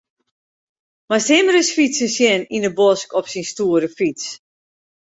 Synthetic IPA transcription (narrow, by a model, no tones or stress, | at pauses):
masɪməɾəsfisənsjɛnindəbɔskɔpsinstuːəɾəfis